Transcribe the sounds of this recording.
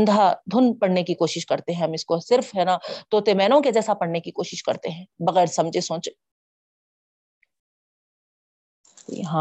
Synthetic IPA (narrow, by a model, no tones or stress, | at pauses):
nd̪ʱad̪ʱʊnpɐɽnekikoːʃɪʃkɐɾt̪eɦɛ̃ɦɐmɪskosɪɾfɦɛnat̪oːt̪emɛːnõked͡ʒɛːsapɐɽnekikoːʃɪʃkɐ̰ɾt̪eɦɛ̃ːbɐɣɛːɾsɐ̃md͡ʒʱesõːt͡ʃe | t̪o̰jɐ̰ɦã